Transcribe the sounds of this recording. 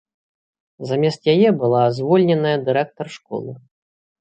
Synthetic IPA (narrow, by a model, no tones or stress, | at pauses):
zamʲɛst̪jajɛbɨlˠazvɔlʲnʲɛnɐjɐd̪ɨɾɛk̚t̪ɐrʂkɔ̰lˠɨ